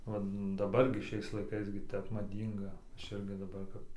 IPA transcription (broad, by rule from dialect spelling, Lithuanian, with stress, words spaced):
ˈʋɐ dɐˈbɐr ɡʲɪ ˈʃʲɛɪs lˠɐɪˈkɐɪs ɡʲɪ ˈtʲɛp mɐˈdʲiːŋɡɐ ˈɐʃ ˈɪrʲɡʲɪ dɐˈbɐr kɐp